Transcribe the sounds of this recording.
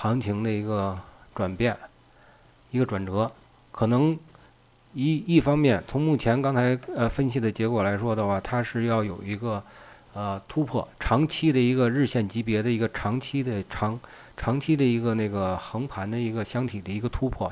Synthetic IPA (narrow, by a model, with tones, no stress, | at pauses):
xɑ˧˥ŋt͡ɕʰi˧˥ŋd̪ə˧i˧˥ɡə˧ʈ͡ʂwa˨˩npjɛ˥˩n | i˧˥ɡə˧ʈ͡ʂwa˨˩nʈ͡ʂɤ˧˥ | kʰɤ˨˩nɤ˧˥ŋ | i˥i˥˩fɑ˥ŋmjɛ˥˩nt͡sʰʊ˧˥ŋmu˥˩t͡ɕʰjɛ˧˥nkɑ˥ŋt͡sʰa˧˥ɪə˧fə˥nɕi˨˩d̪ə˩t͡ɕjɛ˧˥kwɔ˨˩la˧˥ɪʂwɔ˥d̪ə˧xwa˥˩t̪ʰa˥ʂɻ̩˥˧jɑ˥˩ʊjo˨˩ʊi˧˥ɡə˧ | ə˧t̪ʰu˥pʰwɔ̰˥˩ʈ͡ʂʰɑ˧˥ŋt͡ɕʰi˥d̪ə˨i˧˥ɡə˧ɻɻ̩˥˧ɕjɛ˥˩nt͡ɕi˧˥pjɛ˧˥d̪ə˧i˧˥ɡə˧ʈ͡ʂʰɑ˧˥ŋt͡ɕʰi˥d̪ə˨ʈ͡ʂʰɑ˧˥ŋ | ʈ͡ʂʰɑ˧˥ŋt͡ɕʰi˥d̪ə˧i˧˥ɡə˧ne˥˩ɡə˩xɤ˧˥ŋpʰa˧˥nd̪ə˧i˧˥ɡə˧ɕjɑ˥ŋt̪ʰi˨˩d̪ə˦i˧˥ɡə˧t̪ʰu˥pʰwɔ˥˩